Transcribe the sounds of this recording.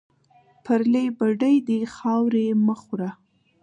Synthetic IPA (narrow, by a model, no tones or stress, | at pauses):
pʰəɾlebaɖəjd̪exɑwɾeməxɾa